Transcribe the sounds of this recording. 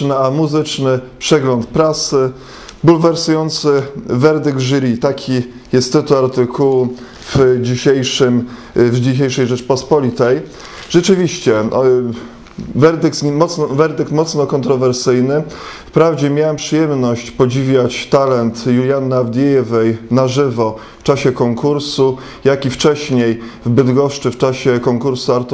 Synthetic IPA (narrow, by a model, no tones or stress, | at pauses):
nɘamuzɘt͡ʂnɘpʂɛɡlɔnt̪pɾasɘ | bulvɛɾsujɔnt̪sɘvɛɾd̪ɘɡ̪ʐɾʲit̪akʲʰi | jɛst̪ːɘt̪uaɾt̪ɘkʰuwu | vd͡ʑiɕejʂɘm | vd͡ʑiɕ̬ejʂɛjʐɛt͡ʂpɔspɔlʲit̪ɛj | ʐ̥ɛt͡ʂɘvʲiɕt͡ɕɛ | vɛɾd̪ɘkt̪mɔt̪snɔvɛɾd̪ɛkt̪mɔt̪snɔkɔnt̪ɾɔvɛɾsɘjnɘfpɾavd͡ʑɛmʲjawampʂɘjɛmnɔɕt͡ɕpɔd͡ʑivʲjat͡ɕt̪alɛnt̪julʲjanːaavd̪ʲjeɛvɛjnaʐɘvɔ | ft͡ʂaɕɛkɔŋkuɾsu | jakʲift͡ʂɛɕɲejvbɘd̪ɡɔʂt͡ʂɘft͡ʂaɕɛkɔŋkuɾsuaɾt̪